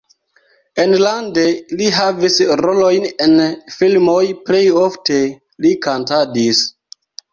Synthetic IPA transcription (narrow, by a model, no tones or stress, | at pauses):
enlandeliɦavisɾo̞lo̞jnenfilmojple̞jofte̞ | likantadis